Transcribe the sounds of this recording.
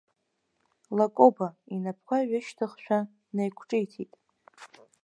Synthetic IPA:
lakʼobainapʰkʷʰaʕʷɪʃtʰɨχʃᶣa | nejkʷʰʈ͡ʂʼɨjtʰitʼ

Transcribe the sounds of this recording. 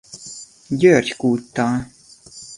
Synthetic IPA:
d̪ʲøːɾʲt̪ʲkuːt̪ːɑː

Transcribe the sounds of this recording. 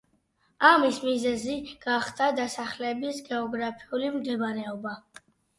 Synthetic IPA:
amismizɛziɡ̥aχd̪ad̪asaχlɛbisɡɛɔɡɾapʰiulimd̪ɛbaɾɛɔba

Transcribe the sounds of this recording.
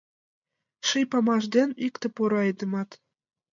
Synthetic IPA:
ʃijpɑmɑʒd̪ʲenʲikt̪ĕpoɾɑɑjd̪ɤ̆mɑt̪

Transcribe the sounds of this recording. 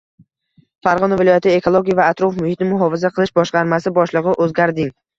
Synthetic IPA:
faɾʁɒnɒvɪlˠɒjat̪ʰɪekʰolˠoɡʲijavaːt̪ɾofmʊhɪt̪ʰɪnɪmʊɦɒvɪzaqʰɨlˠɪʃbɒʃqɑɾmasɪbɒʃlˠɨʁɨʔɵzɡʲaɾd̪ɪŋ

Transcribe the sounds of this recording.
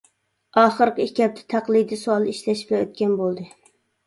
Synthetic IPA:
ɑːχəɾqəikʲɛp̚t̪ʰɛ̥t̪ʰæqlˠɨjd̪isuɑlˠiʃlɛʃpɛøt̪̚kʲɛnbolˠd̪ɨ

